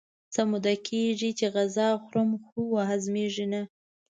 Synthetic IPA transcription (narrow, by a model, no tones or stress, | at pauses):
t͡samud̪akʰeʐit͡ʃeɣazɑxɾəmxuwaɦazmeʐina